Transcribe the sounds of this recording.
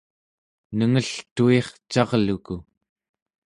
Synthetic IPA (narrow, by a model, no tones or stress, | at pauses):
nəŋəɬt̪ue̞χt͡ʃɑʁluku